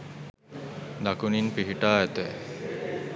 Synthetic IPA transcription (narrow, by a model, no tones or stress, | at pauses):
d̪akuninpiɦiʈaːɛt̪e